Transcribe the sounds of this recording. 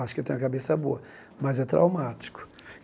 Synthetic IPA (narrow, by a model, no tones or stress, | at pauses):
aʃʊ̥kewt̪ẽj̃ũɐkabesɐboɐ | mɐzɛt̪ɾa̰wmat͡ʃi̥kʊ̥